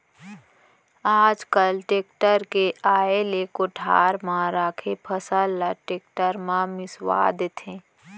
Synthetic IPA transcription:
aːd͡ʒkəlʈeːkʈəɾkeʔaːelekʊʈʰaːɾmãɾaːkʰepʰəsəlːaʈeːk̚ʈəɾmãmɪswa̰ːd̪et̪ʰẽː

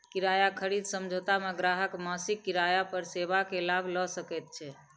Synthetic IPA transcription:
kiɾajakʰəɾid̪səmd͡ʒʱot̪ameɡɾaɦəkmasikːiɾajapəɾsebakelabʱlɔsəkɛt̪̚t͡ʃʰɛ

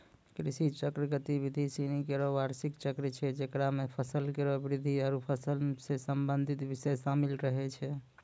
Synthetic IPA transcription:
kɾisit͡ʃəkɾiɡət̪ibid̪ʱisinikeɾoʋaɾsikt͡ʃəkɾit͡ʃʰɛd͡ʒekɾamepʰəsəlkeɾobɾid̪ʱiəɾupʰəsəlsesəmbənd̪ʱit̪bisəjsamilɾəɦɛt͡ʃʰɛ

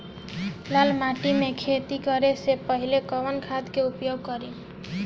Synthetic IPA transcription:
lalmaʈimekʰet̪ikʌɾesepʌɦilekʌwənkʰad̪keupjoɡ̚kʌɾi

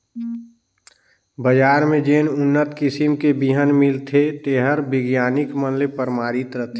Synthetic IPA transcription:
bəd͡ʒaːɾmẽd͡ʒeːnʊnːət̪kɪsimkebiɦənmɪlt̪ʰet̪eɦəɾbɪɡjaːnɪkmənlepəɾmaːɾit̪ɾət̪ʰe

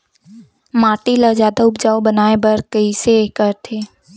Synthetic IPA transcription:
mãːʈiləd͡ʒaːd̪aʊbd͡ʒaːobənaːebəɾkəisekəɾt̪ʰeː

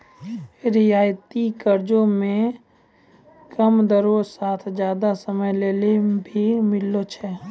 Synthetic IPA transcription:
ɾiaːjt̪ikəɾd͡ʒõmẽ | kəmd̪əɾosaːt̪ʰd͡ʒjaːd̪asəməjleːlebʱimɪlːot͡ʃʰɛ

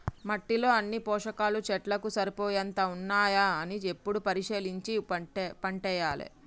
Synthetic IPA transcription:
mɐʈːilo̞ːɐnːipɔːʂɐkaːlut͡ʃɛʈlɐkusɐɾipoːjɐnt̪ɐunːaːjaɐniepːuɽupɐɾiʂeːliɲt͡ʃipɐɳʈɛjaːlḭ

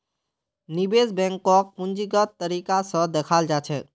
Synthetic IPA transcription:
nibesbɛ̃ŋkɔk̚pʊ̃nd͡ʒiɡət̪ːəɾikasə̃d̪ekʰaːld͡ʒat͡ʃʰɛ

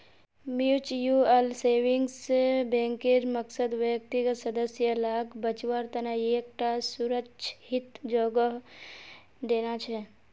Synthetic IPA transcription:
miut͡ʃjuelseːʋɪ̃ŋɡsbɛ̃ːŋkɪɾməksəd̪ʋjək̚t̪iɡəsɐd̪əsjəlaːkbət͡ʃʋaɾt̪ɐnaeːk̚ʈasuɾəkʃʰhɪt̪d͡ʒoːɡəɦ | d̪eːnat͡ʃʰɛ

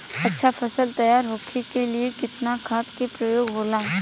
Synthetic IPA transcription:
ɐtːʃʰafʰɐsəlt̪ɐjaːɾɦoːkʰekeliekɪt̪nakʰaːt̪kepɾɐjoːɡɦoːlaː

